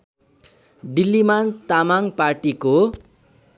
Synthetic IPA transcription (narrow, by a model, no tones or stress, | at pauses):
ɖilːimant̪amaŋparʈiko